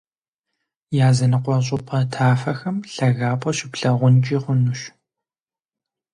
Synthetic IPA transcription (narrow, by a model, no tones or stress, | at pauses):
jaːzɐnɨqʷɔɕ̬ʼʊpʼʰɐtʰaːfɐxɐmɬɐɣaːpʼɔɕɪpɬɐʁʷʊnt͡ʃʼiːʁʷʊnuʃɕ